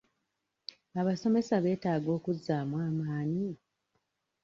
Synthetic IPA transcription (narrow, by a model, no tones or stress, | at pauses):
aβaso̞me̞saβe̞ːtaːɡo̞ːkuzːaːmwaːmaːɲi